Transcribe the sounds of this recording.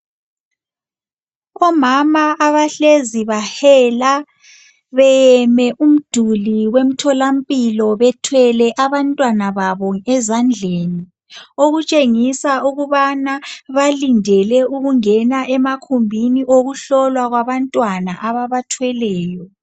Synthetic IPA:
ɔmamaʔːβaɬeziβahɛla | βɛjɛmɛʔum̩d̥ʱuliwem̩tʰɔlampʼilɔβɛtʰwɛlɛʔaβantʼwanaβaβɔɛzand͡ɮʱeːni | oɣut͡ʃʼeŋisauɣuβanaβalindʱɛlɛʔuɣuŋɛnaʔɛmakʰumbʱiniʔoɣuɬɔlwaɣwaβantʼwanaʔaβaβatʰwɛlɛːjɔ

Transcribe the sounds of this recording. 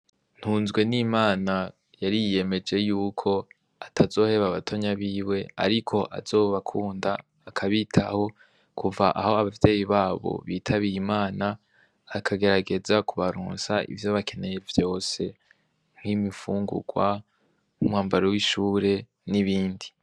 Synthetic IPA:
n̥huːnzɡwe̞nimaːna | jaɾijje̞me̞d͡ʒe̞juːkʰo̞ | atʰazo̞ːhe̞βaβatʰo̞ɲaβiːwe̞a̰ɾikʰo̞ʔa̰z̥o̞ːβakʰuːndaː | kʰaβitʰaho̞ | kʰuvaʔaho̞aβavje̞ːjiβaːβo̞̰βiːtʰaβiɾimaːnaː | kʰaɡe̞ɾaɡe̞zakuβaɾṵːnsaʔḭvjo̞βakʰe̞ne̞je̞vjo̞ːse̞ | ŋ̥himifuːŋɡṵɡ̥wa | n̥umaːmbaɾowiʃuːɾe̞ | niβiːndi

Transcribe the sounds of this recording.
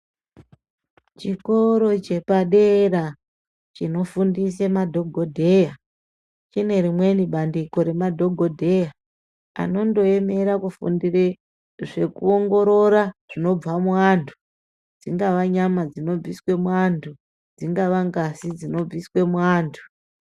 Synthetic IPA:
t͡ʃikoɾo̞t͡ʃe̞paɗeɾa | t͡ʃino̞fundis̬emadʱo̞ɡʱodʱe̞ja | t͡ʃine̞rimwe̞niɓandiko̞ɾe̞madʱo̞ɡʱo̞dʱe̞ja | a̰no̞ndo̞eme̞ɾakufṵndire | ʐe̞kuoŋɡo̞ɾo̞ɾaʐ̥ino̞b͡vamuwantʰu̥ | d͡ziŋɡaʋaɲamad͡zino̞b͡viswe̞muantʰu | d͡ziŋɡaʋaŋɡasid͡zino̞b͡viswe̞muaːntʰu̥

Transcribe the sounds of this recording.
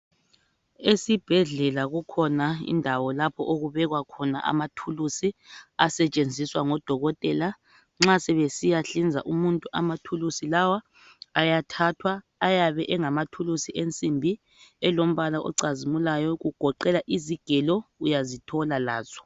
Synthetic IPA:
esib̥ʱɛɮɛlaɣukʰɔnaḭndʱawɔlapʰɔʔoɣuβɛɣwakʰɔna̰ʔa̰matʰulusiasɛt͡ʃʼend͡zʱiswaŋɔd̥ʱɔɣɔtʼɛla | ŋ͡ǁasɛβesijaɬind͡zʱa̰ʔumuntʼuʔamatʰulusilawaː | jatʰatʰwaː | jaβɛʔɛŋamatʰulusiʔent͡sʼimbʱi | ɛlom̩βalaʔɔ̰ǀazimulajɔɣuɡ̥ʱɔǃɛlaʔiziɡ̥ʱɛlɔujazitʰɔlala̰ːz̥ɔ̥

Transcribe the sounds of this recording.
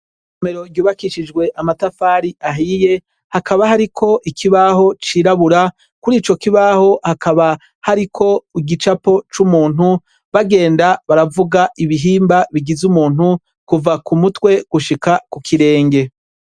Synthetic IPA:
ɲome̞ɾo̞ɾɟuːβakiʃid͡ʒɡwe̞ʔamatafaːɾiaɦiːje̞ | hakaβaɦaɾikʰo̞ʔikʰiβaho̞t͡ʃiːɾaβuɾa | kuɾiːt͡ʃo̞kiβaho̞hakʰaβa | haɾikʰo̞iɡit͡ʃapo̞t͡ʃumuːnu | βaɡe̞ːndaβaɾavuɡaʔiβiɦiːmbaβiɡizumuːn̥hu | kuvakumutwe̞ɡ̥uʃikakukʰiɾe̞ːŋɡe̞

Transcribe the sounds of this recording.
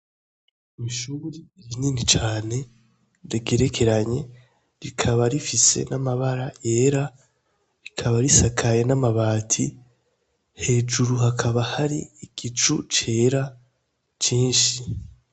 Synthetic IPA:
miʃuːɾijininit͡ʃaːne̞ | ɾeɡeɾe̞kʰe̞ɾaɲe̞ | ɾikʰaβaɾifise̞̰namaβaɾaje̞ːɾa | ɾikʰaβaɾisakʰaje̞namaβaːtʰi | he̞ːd͡ʒuɾuɦakʰaβahaɾḭiɡ̥it͡ʃṵt͡ʃe̞ːɾa | t͡ʃiːnʃi

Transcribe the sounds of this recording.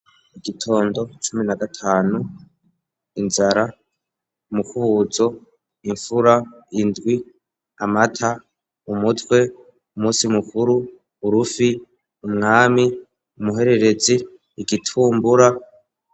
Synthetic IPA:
iɡitʰo̞ːndo̞t͡ʃuminaɡatʰaːnu | inzaɾa | mukuhuːzo̞ | iɱfuɾaindɡwi | amatʰa | umutwe̞ | umuːsimukuɾuː | ɾufi | umŋaːmi | umuɦe̞ɾe̞ɾe̞d͡ziː | ɡitʰuːmbuɾa

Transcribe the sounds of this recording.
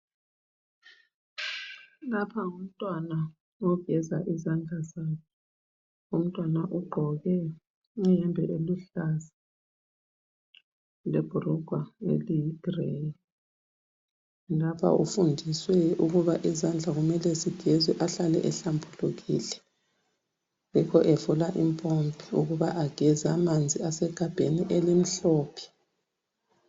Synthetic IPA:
lapʰaum̩tʼwana | ɔv̥ʱɛzaʔizand͡ɮʱazakʰɛ | um̩tʼwanaʔuɡ͡ǃʱɔɣɛ | ɛjɛmbʱɛʔeluɬazḁ | leb̥ʱurɔɡ̥ʱwaḛliɡ̥reji | lapʰa̰ʔṵfundʱiswɛuɣuβaʔizand͡ɮʱaɣumɛlɛsiɡ̥ʱɛzɛʔaɬalɛ̰ʔɛɬambʰʱuluɣḭːlɛ | ŋikʰɔʔɛfulaʔimpʼompʰʼiuɣuβaʔaɡ̥ʱɛzamand͡zʱiasɛɡ̥ʱab̥ʱeniʔɛlim̩ɬɔːpʰi̥

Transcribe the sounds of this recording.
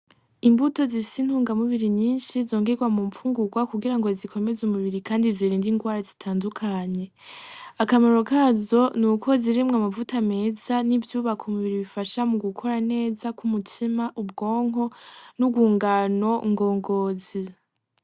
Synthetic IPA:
imbuto̞zifisinhuːŋɡamuβiɾiɲiːnʃizo̞ːŋɡeɡwamuɱfuːŋɡuɡwakuɡiɾaŋɡo̞zikʰo̞me̞zumuβiɾikaːndiziɾiːndiŋɡwaːɾazitʰaːndukʰaɲe̞ | akamaɾo̞kaːzo̞nuːko̞ziɾimŋamavutame̞ːzanivjuːβakʰumuβiɾiβifaʃamuɡukʰo̞ɾane̞ːzakumutʰimaʔub̚ɡo̞ːŋɦo̞nuɡwuːŋɡano̞ŋɡo̞ːŋɡo̞ːzi

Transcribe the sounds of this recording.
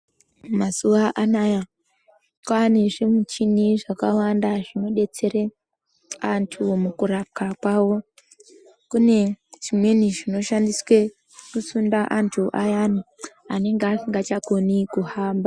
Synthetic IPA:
masuʋaʔanaja | kwaneʐimut͡ʃiniʐakawandaʐino̞ɗe̞t͡se̞ɾe | antʰumukuɾap̚kakwawo̞ | kune̞ʐimwe̞niʐino̞ʃandiswe̞ | kusundaʔantʰuʔajani | ane̞ŋɡeasiŋɡat͡ʃakonikuhaːmba

